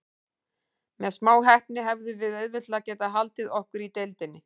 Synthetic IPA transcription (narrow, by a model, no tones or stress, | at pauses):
mɛðsmaːwɦɛhpnɪɦɛvðʏvɪðœðvɪht̪lacɛːt̪aɦalt̪ɪðɔhkʏɾit̪ejlt̪ɪnːɪ